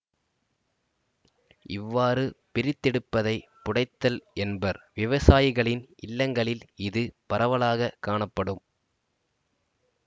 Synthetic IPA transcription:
ɪʋːaːɾɯpɪɾɪt̪ːɛɽɯpːɐðɐɪpʊɽɐɪt̪ːɐlɛnbɐɾʋɪʋɐsaːjɪɣɐɭɪnʔɪlːɐŋɡɐɭɪlɪðɯpɐɾɐʋɐɭaːɣɐkːaːɳɐpːɐɽɯm

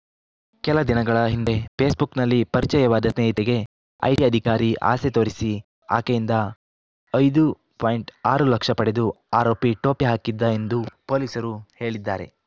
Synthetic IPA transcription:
kɛlɐd̪inɐɡɐɭɐɦind̪e̞pe̞ːsbuknɐlːipɐɾit͡ʃɐjɐʋaːd̪ɐsneːɦit̪eɡe̞ | ɐ̰jʈiɐd̪ʱikaːɾiʔa̰ːset̪oːɾisi | a̰ːkejind̪ɐ | ɐjd̪u | paːjiɳʈaːɾulɐkʂɐpɐɽe̞d̪u | aːɾoːpiʈoːpiɦaːkid̪ːɐe̞nd̪upo̞ːliːsɐɾuhe̞ːɭid̪ːaːɾe̞̰

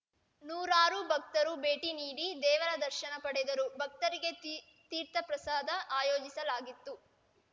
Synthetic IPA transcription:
nuːɾaːɾubʱɐk̚t̪ɐɾubeːʈiniːɽid̪ɛːʋɐɾɐd̪ɐɾʃɐnɐpɐɽɛd̪ɐɾubʱɐk̚t̪ɐɾiɡe̞ | t̪iːɾt̪ɐpɾɐsaːd̪ʱɐʔaːjoːd͡ʒisɐlaːɡit̪ːu

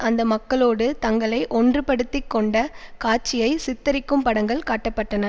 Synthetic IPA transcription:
ʔɐnd̪ɐmɐkːɐɭoːɽɯt̪ɐŋɡɐɭɐɪʔɔndrɯpɐɽɯt̪ːɪkːɔɳɖɐkaːɾt͡ʃːɪjɐɪsɪt̪ːɐɾɪkːɯmpɐɽɐŋɡɐɭkaːʈːɐpːɐʈːɐnɐ

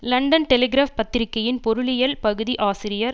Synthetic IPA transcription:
lɐɳɖɐnʈɛlɛɡɪɾaːfpɐt̪ːɪɾɪkːɐjɪnpɔɾɯɭɪjɐlpɐɣɯðiʔaːsɪɾɪjɐɾ

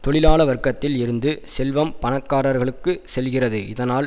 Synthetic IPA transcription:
t̪ɔɭɪlaːɭɐʋɐɾkːɐt̪ːɪlɪɾɯnd̪ɯsɛlʋɐmpɐɳɐkːaːɾɐɾɣɐɭɯkːɯsɛlɣɪrɐðɯʔɪðɐnaːl

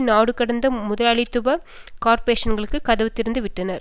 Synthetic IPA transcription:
naːɽɯkːɐɽɐnd̪ɐmʊðɐlaːɭɪt̪ːʊbɐ | kaːɾpɐɾeːʂɐnɡɐɭɯkːɯkːɐðɐʋɯt̪ːɪɾɯnd̪ɯʋɪʈːɐnɐɾ

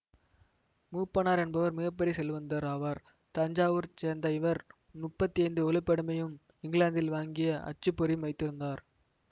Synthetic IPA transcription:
muːpːɐnaːɾɛnbɐʋɐɾmɪɣɐpːɛɾisɛlʋɐnd̪ɐɾɐʋɐɾ | t̪ɐɲd͡ʒaːʋɯɾt͡ʃeːɾnd̪ɐɪʋɐɾ | mʊpːɐt̪ːiɐɪnd̪ɯɔlɪpːɐɽɯmɐjɯm | ɪŋɡɭaːnd̪ɪlʋaːŋɡɪjɐɐ̰t͡ʃːɯpːɔɾijmʋɐɪt̪ːɪɾɯnd̪aːɾ

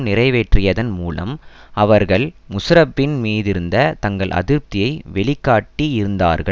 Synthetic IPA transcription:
nɪrɐɪʋeːʈrɪjɐðɐnmuːlɐ̰mɐʋɐɾɣɐɭ | mʊsɾɐpːɪnmiːðɪɾɯnd̪ɐt̪ɐŋɡɐɭʔɐ̰ðɪɾp̚t̪ɪjɐɪʋɛɭɪkːaːʈːiɪɾɯnd̪a̰ːɾɣɐ

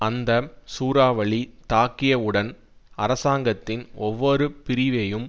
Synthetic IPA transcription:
ɐnd̪ɐsuːɾaːʋɐɭit̪aːkːɪjɐɯɽɐn | ɐɾɐsaːŋɡɐt̪ːɪnɔʋːɔɾɯpɪɾɪʋejɯm

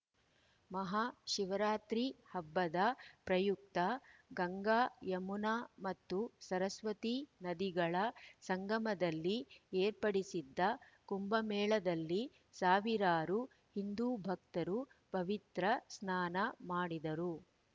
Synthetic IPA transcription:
mɐɦaʃiʋɐɾaːt̪ɾihɐbːɐd̪ɐpɾɐjuk̚t̪ɐɡɐŋɡaːjɐmunaːmɐt̪ːusɐɾɐsʋɐt̪inɐd̪iɡɐɭɐsɐŋɡɐmɐd̪ɐlːieːɾpɐɽisid̪ːɐkumbɐmɛːɭɐd̪ɐlːi | saːʋiɾaːɾu | hind̪uːbʱɐk̚t̪ɐɾupɐʋit̪ɾɐsnaːnɐmaːɽid̪ɐɾu

